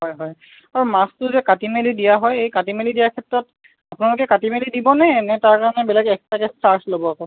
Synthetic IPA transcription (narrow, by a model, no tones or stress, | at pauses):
ɦɔjɦɔj | aɹumastʊzɛkatimelidijaɦɔjejkatimelidijaɹkʰɛtɹɔt | apʊnalʊkɛkatimelidibɔnɛnɛtaɹkaɹanɛbɛlɛɡɛk̚takɛstaɹslobɔakɔ